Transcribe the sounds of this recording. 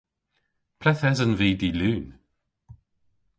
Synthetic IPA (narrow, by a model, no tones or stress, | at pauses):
pʰɾɛθɛzənviːdilʉːn